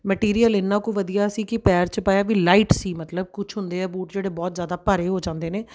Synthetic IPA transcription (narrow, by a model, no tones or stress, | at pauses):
mɛʈiːɾiːəlɪnːãːkũːʋəd̪ijaːsiːkɪpɛːɾt͡ʃpaːjaːʋiːlaːiːʈsiːmət̪ləb̚kʊt͡ʃʰɦʊnd̪eːɛːbuːʈd͡ʒeːɽeːbɔːt̪zjaːd̪aːpaːɾeːɦoːd͡ʒãːnd̪eːneː